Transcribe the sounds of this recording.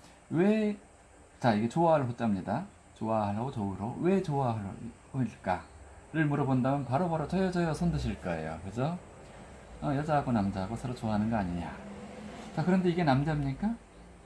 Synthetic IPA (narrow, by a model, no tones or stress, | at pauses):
we̞ | t͡ɕaiɡe̞t͡ɕoaɦaɭɦot͡ɕ͈amɲida | t͡ɕoaɦaɭɦaɡot͡ɕʌuɾowe̞t͡ɕoaɦaɭhoiɭk͈aɾɯɭmuɾʌbondamjʌnpaɾopaɾot͡ɕʌjʌd͡ʑʌjʌsʰʌndɯɕʰiɭk͈ʌe̞̰jo̰kɯesʰʌ | ʌjʌd͡ʑaɦaɡonamd͡ʑaɦaɡosʰʌɾot͡ɕoaɦanɯnɡʌaɲiɲa̰ | t͡ɕakɯɾʌnde̞iɡe̞namd͡ʑamɲik͈a